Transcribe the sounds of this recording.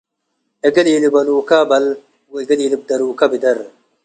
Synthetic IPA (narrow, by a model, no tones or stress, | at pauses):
eɡɐlilibɐnukabɐl | wɡɐliːlib̚d̪ɐɾuːkabid̪ɐɾ